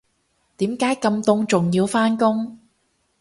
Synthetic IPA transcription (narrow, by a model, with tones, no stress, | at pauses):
t̪iː˨˥mkaː˨˥jkɐ˧mt̪ʊ˧ŋt͡sʊ˨ŋjiː˧wfaː˥nkʊ˥ŋ